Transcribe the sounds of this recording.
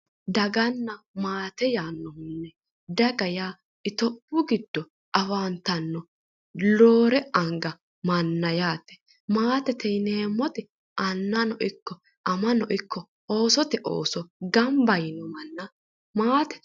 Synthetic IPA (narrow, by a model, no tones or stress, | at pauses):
d̪ɐɡɐnːɐ | maːt̪ɛjaːnːɔmʊnːɛ | d̪ɐɡɐjaː | ɪt̪ɔbːʊɡɪd̪̥ːɔ | ʔɐwaːnt̪ɐnːɔ | lo̞ːɾɛɐŋɡɐ | mɐnːɐjaːt̪ːɛ̥ | maːt̪ɛt̪ɛjneːmːɔt̪ɛ | ʔɐnːɐnɔʔɪkːɔ | ʔɐmɐnɔʔɪkʰːɔ | o̞ːsɔt̪ɛʔo̰ːsɔɡɐmbɐjɪnɔmɐnːɐ | maːt̪ɛ̥